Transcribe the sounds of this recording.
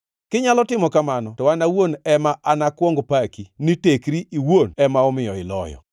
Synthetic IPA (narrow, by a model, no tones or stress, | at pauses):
kɪɲalɔtɪmɔkamanɔtɔanawonɛmaʔanakwoŋɡpakinitekɾiʔiwonɛmaɔmɪjɔɪlɔ̰jɔ̰